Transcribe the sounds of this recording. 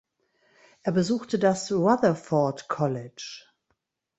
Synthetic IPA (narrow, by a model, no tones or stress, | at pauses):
ʔeːɐbəzuːxtədasʁaðɐfɔɐtkʰɔlɪt͡ʃ